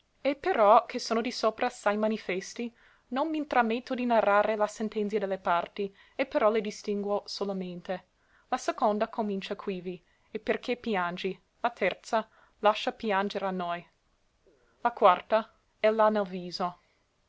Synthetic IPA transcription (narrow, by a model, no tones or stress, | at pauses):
epeɾɔkʰesoːnod̪isopɾʔaːsajmanifɛst̪i | nonmint̪ɾamːet̪ːod̪inarːaːɾelasent̪ɛnt̪sjad̪elːepart̪i | epeɾɔled̪ist̪iŋɡwosolament̪e | lasekond̪akʰomint͡ʃakʰwivi | eperkʰepjand͡ʒi | lat̪ʰɛrt̪sa | laʃːapjand͡ʒeɾanːoj | lakwart̪a | ɛlanelviːzo